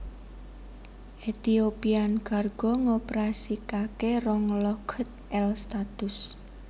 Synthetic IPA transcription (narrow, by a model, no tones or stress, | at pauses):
ʔet̪iopianɡ̥arɡ̥ɔ̤ŋopeɾasikakerɔŋlɔɡ̥ʰə̤t̪̚ɛlst̪at̪ʊs